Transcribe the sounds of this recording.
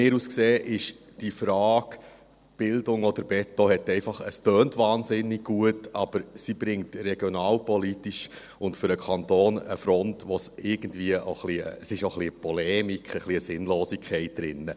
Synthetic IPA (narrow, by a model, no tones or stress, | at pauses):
ɪːɾuskseːʔɪʃ | d̥ifɾɑːk | b̥ɪldʊŋɔd̥əɾbɛtːɔhɛtɛɪfɑχəstœːntʋɑːnzɪnːɪɡ̚ɡuətɑb̥əɾsibɾɪŋtrɛɡ̥jɔnɑːlpɔlitiʃ | ʊntfʏɾəkʰɑntoːnə̰fɾɔntʋɔsɪɾɡ̥ən̩dviəʔoχlḭəsɪʃoχliəpɔlɛːmikχəχliəsɪnloːsikʰχɛɪt̚d̥̪ɾɪnːə